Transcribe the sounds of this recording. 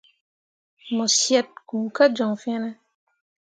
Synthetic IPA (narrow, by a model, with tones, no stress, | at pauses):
mɔ˨sjɛ˦t̚ku˨ka˦d͡ʒɔ̃˨ŋfɛ̃˦na˦